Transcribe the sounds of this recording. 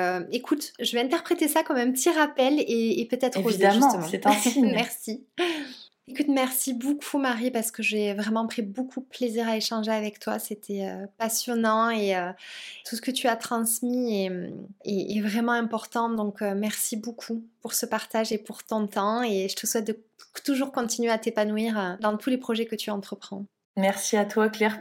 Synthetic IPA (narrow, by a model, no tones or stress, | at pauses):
øekʰut̪ʒəvɛɛ̃nt̪ɛʁpχet̪esakɔmɛ̃pət̪ʰiʁapɛleːpøt̪ɛt̪χozied̪ʒmỹt̪əmɑ̃mɛʁsi | ekut̪mɛʁsibokʰumaʁipaʁsə̥kəʒəvɛvʁɛmɑ̃pχibokʰud̪əpleziʁaeʃɑ̃ʒeavɛkt̪wa̰set̪ʰɛøpasjɔnɑ̃eøt̪usə̥kət̪yat̪χɑ̃smieeːvʁɛmɑ̃ɛ̃pɔʁt̪ɑ̃d̪ɔ̃kømɛʁsibokʰupuʁsəpaʁt̪aʒepuʁt̪ɔ̃t̪ɑ̃eʒət̪əswɛt̪̚d̪ə | t̪uʒuʁkɔ̃t̪inɥeat̪epanuiʁød̪ɑ̃t̪ʰulepχɔʒɛkət̪ʰyɑ̃t̪χəpχɑ̰̃ | mɛʁsiat̪waklɛʁ